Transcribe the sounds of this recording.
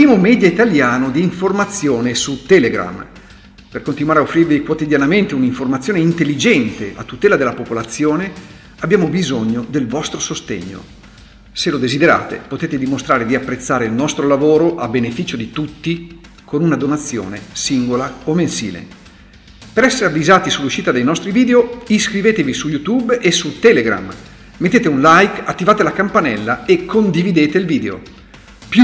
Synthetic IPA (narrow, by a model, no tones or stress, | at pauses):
piːmomɛːd̪jait̪aljaːnod̪iːɱformat̪sːjoːnesut̪ɛleɡɾa̰m | perkont̪inuwaːɾeaofːɾirvikwot̪id̪janament̪euniɱformat̪sjoːneint̪elːid͡ʒɛnt̪eʔa̰t̪ːut̪ɛːlad̪elːapopolat̪sːjoːne | abːjaːmobizoɲːod̪elvɔst̪ɾosost̪ḛɲːo̰ | selod̪ezid̪eɾa̰ːt̪ḛpot̪eːt̪ed̪imost̪ɾaːɾed̪iapːɾet̪sːaːɾeilnɔst̪ɾolavoːɾoʔabːenefiːt͡ʃod̪it̪ut̪ːi | kʰonunad̪onat̪sːjo̰ːnḛsiŋɡolaomensḭːlḛ | peɾɛsːeɾeavːizaːt̪isulːuʃiːt̪ad̪ejnɔst̪ɾiviːd̪eoiskɾiveːt̪evisujut̪ubesut̪ɛːleɡɾa̰m | met̪ːeːt̪eunlajkat̪ːivaːt̪elakampanɛlːaekʰːond̪ivid̪eːt̪eilviːd̪eo̰ | pju